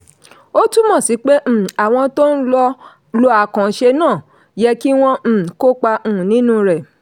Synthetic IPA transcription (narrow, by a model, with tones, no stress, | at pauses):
o˦tu˦mɔ̃˦˨si˨˦k͡pẽ˦˨a˨w̃ɔ̃˧to˦n̩˦lɔ˧ | lɔ˧a˨kã˨˦ʃe˧nãː˦˨ | jɛ˧ki˦w̃ɔ̃˧m̩̃˨ko˦k͡pã˧˨nĩ˨˦nũ˦ɾɛ˨